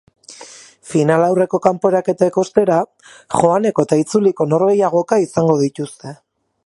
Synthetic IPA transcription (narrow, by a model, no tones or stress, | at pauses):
finalawre̞ko̞kampo̞eɾake̞t̪aeko̞st̪e̞ɾa | ʝo̞ane̞ko̞et̪ait͡suliko̞no̞ɾɣe̞jaɣ̞o̞kaisaŋɡo̞ðit̪ust̪e̞